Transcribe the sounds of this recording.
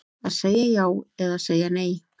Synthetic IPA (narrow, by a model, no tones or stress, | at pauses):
asajajaweðasajanej